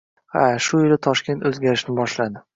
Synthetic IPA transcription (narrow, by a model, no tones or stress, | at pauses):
haʃʊɪlɪt̪ʰɒʃkʲe̞nt̪ɵzɡʲaɾɪʃnɪbɒʃlad̪ɪ